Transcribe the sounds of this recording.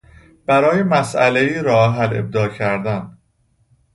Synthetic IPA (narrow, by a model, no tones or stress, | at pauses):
b̥æɾɒːje̞mæsʔæle̞iːɾɒːɦæle̞̰b̚d̪ɒːcʰæɾd̪æn